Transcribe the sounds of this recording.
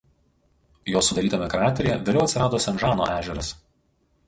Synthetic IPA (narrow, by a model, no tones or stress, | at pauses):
joːsʊd̪ɐɾʲiːt̪ɐmʲɛkɾɑːt̪ʲɾʲɪjɛʋʲeːlʲɛʊt̪ʲsɪɾɑːd̪oːsʲɛnʒɑːno̰ʔæːʒʲɛɾɐs